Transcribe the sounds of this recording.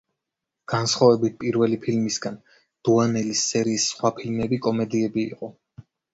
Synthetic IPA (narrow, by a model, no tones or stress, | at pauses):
ɡ̥ansχwavɛbit̪̚pʼiɾvɛlipʰilmisɡan | d̪̥uanɛlisːɛɾiːsːχwapʰilmɛbikʼɔmɛd̪iɛbḭːqʼɔ